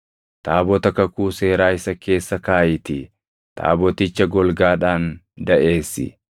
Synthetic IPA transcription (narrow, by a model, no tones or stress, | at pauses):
t̪aːbɔt̪ɐkɐkuːse̞ːɾaːɪsɐke̞ːsːɐkaːjɪt̪ɪ | t̪ʰa̰ːbɔt̪ɪt͡ʃːɐɡɔlɡaːᶑaːn | d̪ɐʔe̞ːsːɪ̰